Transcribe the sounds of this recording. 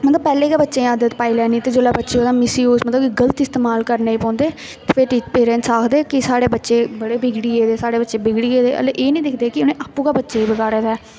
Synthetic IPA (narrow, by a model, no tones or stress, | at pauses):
mət̪ləb̚pːɛːlẽːkaːbətːʃẽaːd̪ət̪paːiːlɛːniːt̪eːd͡ʒoːlaːbətːʃeːod̪aːmɪsiːoːsmət̪ləbkɪɡəlt̪ɪst̪eːmaːlkəɾneːiːpɔ̃ːnd̪eː | t̪eːpʰɪɾʈiːpeːɾɛ̃ːnʈsaːkʰd̪eːkɪsaːɽeːbətːʃeːbəɽeːbɪɡɽiːeːd̪eːsaːɽeːbətːʃeːbɪɡɽiːeːd̪eːə̰leʔeːnə̃ĩːd̪eːkʰd̪eːkɪʊnẽːʔaːpũːkaːbətːʃeːiːbəɡaːɽeːd̪aɛː